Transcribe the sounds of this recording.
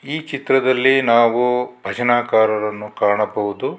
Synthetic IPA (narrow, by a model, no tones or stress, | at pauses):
iːt͡ʃit̪ɾɐd̪ɐlːinaːʋubʱɐd͡ʒɐnaːkaːɾɐɾɐnːukaːɳɐbɐʋud̪u